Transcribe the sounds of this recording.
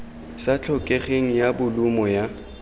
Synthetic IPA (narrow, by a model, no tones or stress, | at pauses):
sat͡ɬʰɔkʼeχeŋ̩jabʊlʊmɔja